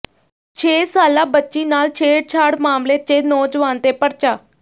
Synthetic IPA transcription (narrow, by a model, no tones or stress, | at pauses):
t͡ʃʰeːsaːlaːbətːʃiːnaːlt͡ʃʰeːɽt͡ʃʰaːɽmaːmleːt͡ʃeːnɔːd͡ʒʋaːnt̪eːpəɾt͡ʃaː